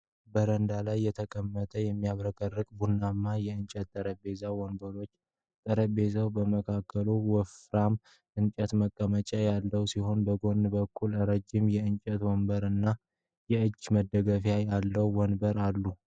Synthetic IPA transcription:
bəɾənd̪alajːɛt̪ʰəkʼəmːət̪ʰəjɛmːijaβɾəkʼərːɨkʼbunːamːajɛɨnt͡ʃʼət̪t̪ʼːəɾəbe̞zawɔnbəɾo̞t͡ʃː | t̪ʼəɾəbe̞zawbəməkʰakːəluwɔfɾam | ʔɨnt͡ʃʼət̪məkʼːəmət͡ʃʼajalːəwsiho̞nbəɡo̞nːbəkʰːulɨɾəd͡ʒɪmjɛɨnt͡ʃʼət̪wɔnbəɾɨnːa | jɛɨd͡ʒːməd̪ːəɡəfjajalːəwwɔnbəɾalːu

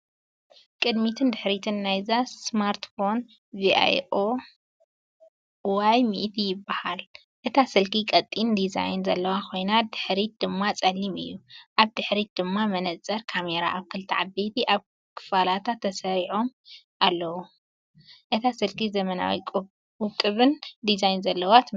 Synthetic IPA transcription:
kʼɨd̪mit̪ʰɨnd̪ɨħɾit̪ʰɨnːajzassmaɾt̪fo̞n | viʔa̰jo | wajmiʔt̪ʰijɪbːahal | ʔɨt̪ʰasɨlkikʼɐt̪ʼːind̪iza̰jnzɐlːɐwakʰo̞jnad̪ɨħɾid̪̥ɨmːat͡sʼɐlːimɨ̰jːuʔaβd̪ɨħɾid̪̥ɨmːamɐnɐt͡sʼɐɾkʰame̞ɾa̰ʔaβkʰɨlt̪ʰiʕabet̪ʰiʔaβ | kʰɨ̥falat̪ʰat̪ʰːɐsɐɾiʕo̞m | ʔalːɐwu | ʔɨt̪ʰasɨlkizɐmɐna̰wḭkʼ | ʊt̪ʼɨβɨnd̪izajnzɐlːɐwat̪ʰ

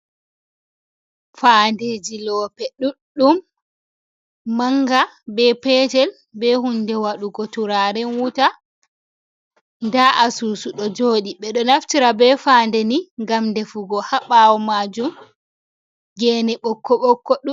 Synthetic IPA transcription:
faːndeːd͡ʒilɔːpɛɗuɗːum | aŋɡa | bɛpɛtɛl | bɛhundɛwaɗuɡɔtuɾaɾɛnwuta | ndaʔasuːsuɗɔd͡ʒoːɗiɓɛɗɔnaftiɾabɛfaːndɛniŋɡamndɛfuɡɔhaɓawɔmad͡ʒum | ɡɛːnɛɓɔkːɔɓɔkːɔɗu

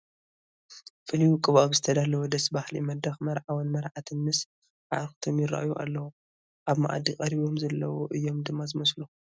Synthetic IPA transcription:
fɨlijukʼɨβaβzɨt̪ʰɐd̪alːɐwud̪ɐsbahlḭmɐd̪ɐxmɐɾʕawɐnmɐɾʕat̪ʰɨnmɨs | ʕa̰ɾxt̪ʰomjɪɾa̰ʔjuʔa̰lːɐwu | ʔaβma̰ʔa̰d̪ikʼɐɾiβo̞mzɐlːɐwoʔɨjːo̞md̪ɨmːazɨmɐslu

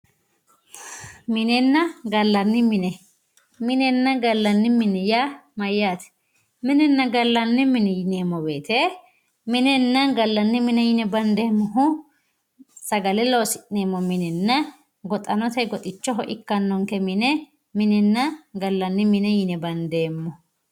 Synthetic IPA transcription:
mɪnɛnːɐɡɐlːɐnːɪmɪnɛ | mɪnɛnːɐɡɐlːɐnːɪmɪnɛjamɐjːaːt̪ɛ̥ | mɪnɛnːɐɡɐlːɐnːɪmɪnɛjɪneːmːɔbeːt̪ɛ | mɪnɛnːɐnɡɐlːɐnːɪmɪnɛjɪnɛbɐnd̪eːmːɔɦʊ | sɐɡɐlɛloːsɪʔneːmːɔmɪnɛnːɐ | ɡɔt̪ʼɐnɔt̪ɐjɡɔt̪ʼɪt͡ʃːɔɦɔʔɪkːɐnːɔŋkɛmɪnɛ | mɪnɛnːɐɡɐlːɐnːɪmɪnɛjɪnɛbɐnd̪eːmːɔ

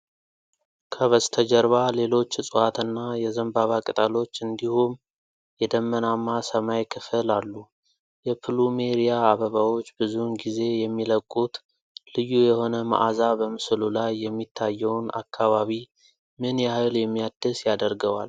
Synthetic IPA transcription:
kʰəβəst̪ʰəd͡ʒəɾβale̞lo̞t͡ʃːɨsʼɨat̪ɨnːajɛzəmbaβakʼɨt̪ʼalo̞t͡ʃːɨnd̪ihum | jɛd̪əmːənamːasəmajkʰɨfɨlalːu | jɛpʰɨlume̞ɾijaːβəβawo̞t͡ʃːbɨzunɡize̞jɛmːiləkʼːut̪ | lɨjːujɛho̞nəma̰ʔazabəmɨslulajːɛmːit̪ʰːajːɛwna̰kʰːaβaβi | mɨnjɛhajljɛmːijad̪ɨsjad̪əɾɡəwal

